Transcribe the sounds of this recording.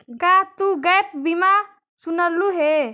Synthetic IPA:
kat̪uɡəjp̚bima | sunəlːuɦe

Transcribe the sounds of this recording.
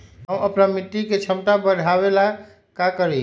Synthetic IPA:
ɦəməpnamit̪ːiket͡ʃʰəmʈabəɽʱaβela | kakəɾɛ

